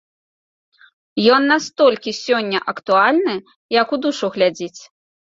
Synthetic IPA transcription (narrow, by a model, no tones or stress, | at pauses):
jɔnːast̪ɔlʲkʲisʲɔnʲːɐʔɐkt̪ualʲnɨ | jɐkud̪uʂuɣlʲad͡zʲit͡sʲ